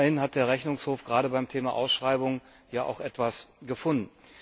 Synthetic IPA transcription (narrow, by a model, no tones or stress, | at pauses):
ɐhɪnhat̚d̥eːɐʁ̞ɛçnʊŋshoːfɡ̥ʁaːɾəbaɪmtʰeːmaʔa̰ʊsʃʁ̥aɪbʊŋ | jaːʔa̰ʊxʔɛtv̥asɡ̥əfʊndn̩